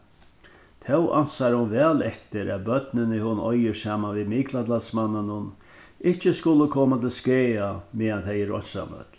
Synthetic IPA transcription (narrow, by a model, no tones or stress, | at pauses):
t̪ʰɛwʔa̰nsaɾhʊnvɛːlɛt̪ɪɾæ̰tbœt̪nɪnɪhʊnɔjɪsaːmanviðmiːklat̪lasmanːanʊn | ɪht͡ɕɪskʊləkʰɔːmat̪ʰɪlskeːameːðant̪ʰɛjɪɾɔ̰n̥sa̰mœ̰t̪l